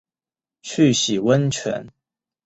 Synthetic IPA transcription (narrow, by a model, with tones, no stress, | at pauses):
t͡ɕʰy˥˨ɕi˨˩wə˦nt͡ɕʰɥɛ̰˧˥˦n